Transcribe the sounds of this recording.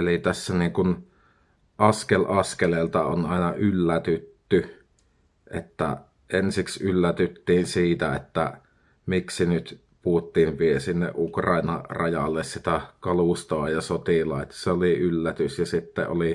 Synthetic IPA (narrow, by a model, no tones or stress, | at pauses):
elit̪æsːæniːŋkun | ʔɑskelʔɑskeleːlt̪ɑonɑˑenɑʔylːæt̪yt̪ːy | ʔḛt̪ːæ̰ | ʔensiksylːæt̪yt̪ːiːnsiːt̪æḛt̪ːæ̰ | miksinyt̪ | puut̪ːiːʋʋiesinːḛʔʔukrɑˑinɑrɑjɑ̰lːessit̪ækɑlust̪oɑjɑsot̪ilɑ̰ˑet̪ːɑ̥seoliylːæt̪ysjɑsit̪ːḛʔʔo̰li